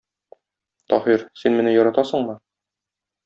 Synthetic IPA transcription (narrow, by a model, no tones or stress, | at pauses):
t̪ɒ̰hiɾsinmɘ̆nɘjɒɾɑt̪ɑsɤ̆ɴmɤ